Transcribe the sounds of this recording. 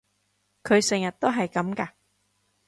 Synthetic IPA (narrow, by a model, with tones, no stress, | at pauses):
kʰɵ˨˧ɥsɛ˨˩ŋjɐ˨t̚t̪o˥wɦɐ˨jkɐ˨˧˥mkɐ˧